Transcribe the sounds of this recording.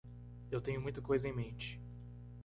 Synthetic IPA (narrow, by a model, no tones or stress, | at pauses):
ewt̪ẽɲʊmũj̃t̪ɐkojzɐẽj̃mẽnt͡ʃɪ̥